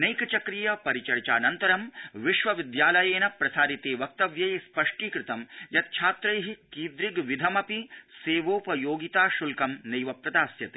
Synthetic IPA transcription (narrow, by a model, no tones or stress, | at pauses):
nejkɐt͡ʃɐkɾijɐpɐɾit͡ʃɐɽt͡ʃaːnɐnt̪ɐɾɐmʋiʃʋɐʋid̪jaːlɐjeːnɐpɾɐsaːɾit̪eːʋɐk̚t̪ɐʋjɐjspɐʂʈiːkɾɪt̪ɐmjɐt̪̚t͡ʃʰaːt̪ɾɐjɦikiːd̪ɾiɡʋid̪ʱɐmɐpiseːʋoːpɐjoːɡit̪aːʃulkɐmnɐjʋɐp̚t̪ɐt̪aːsjɐt̪eː